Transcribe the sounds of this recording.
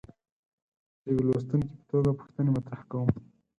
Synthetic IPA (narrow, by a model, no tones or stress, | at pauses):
d̪əjwlos̬t̪ənke̥pə̥t̪oɡapu̥xt̪ənemat̪ɾahkawəm